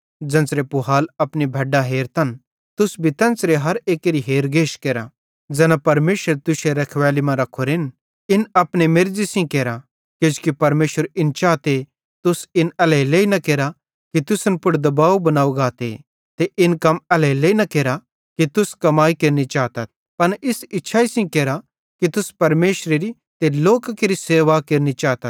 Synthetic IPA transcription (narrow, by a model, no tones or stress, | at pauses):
d͡ʒɐ̃nsɾepʊɦaːlɐpnibʱɐɖaɦeːɾt̪ʰɐn | t̪ʊsbʱit̪ɐ̃nsɾeɦɐɾeːkeɾiɦeːɾɡeːʃkeːɾa | d͡zɛːnapɐɾmeːʃəɾt̪ʊseɾɐkʰʋɛːlimãɾɐkʰoɾɪn | ɪnɐpnemeɾd͡ʒisĩkeːɾa | kɪd͡ʒkipɐɾmeːʃəɾɪnt͡ʃaːt̪e | t̪ʊsɪnɛlɛileːinɐkeːɾa | kit̪ʊsənpʊɽd̪ɐbaːobɐnaːuɡaːt̪ḛ | t̪eʔɪnkɐmɛlɛleːinɐkeːɾa | kit̪ʊskɐmaːikeɾnit͡ʃaːt̪ɐt̪̚ | pɐnɪsɪtːʃʰaisĩkeːɾa | kit̪ʊspɐɾmeːʃɾeɾi | t̪eloːkkeɾiseːʋakeɾnit͡ʃaːt̪ɐt̪